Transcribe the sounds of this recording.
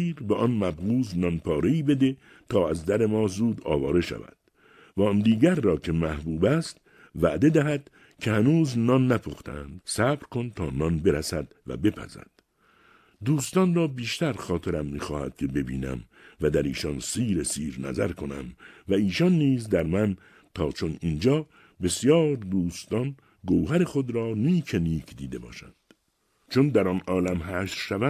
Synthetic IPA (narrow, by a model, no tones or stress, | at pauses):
iːɾbeʔɒnmæbɣuːznɒnpʰɒːɾe̞iːbe̞d̪e̞ | t̪ʰɒːæzd̪æɾe̞mɒːzuːd̪ɒ̰ːvɒːɾe̞ʃæ̰væ̰d̪̥ | væɒnd̪iːɟæɾːɒːcʰe̞mæhbuːbæst̪ | væʔd̪e̞d̪æɦæd̪̥ | cʰe̞hænuːznɒnːæpʰoxt̪ḛæ̰nd̪̥sæbɾkʰont̪ʰɒːnɒnbe̞ɾæsæd̪̥væ̰be̞pʰæ̰zæ̰d̪̥ | d̪uːst̪ɒnrɒːbiːʃt̪æɾχɒːt̪ʰe̞ɾæmːiːxɒːhæ̰d̪̥̚cʰe̞be̞bḭːnæ̰m | væd̪æɾiːʃɒnsiːɾesiːɾnæ̰zæɾkʰo̞næ̰mvæiːʃɒnːiːzd̪æɾmæn | t̪ʰɒːt͡ʃʰo̞nind͡ʒɒː | be̞sjɒːɾd̪uːst̪ɒn | ɡowɦæɾeχo̞d̪ɾɒːniːkʰeniːkʰd̪iːd̪e̞bɒ̰ːʃænd̪̥ | t͡ʃʰond̪æɾɒnɒːlæmɦæːʃɾʃævæ